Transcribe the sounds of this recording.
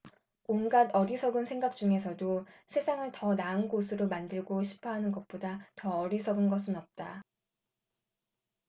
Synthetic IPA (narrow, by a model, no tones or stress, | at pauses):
onɡadʌɾisʰʌɡɯnsʰe̞ŋɡak̚t͡ɕ͈uŋe̞s̬ʰʌdosʰe̞sʰaŋɯɭtʌnaɯnɡosʰɯɾomandɯɭɡoɕʰi̥pʰʌɦanɯnɡʌt̚p͈odatʌʌɾisʰʌɡɯnɡʌsʰɯnʌp̚t͈a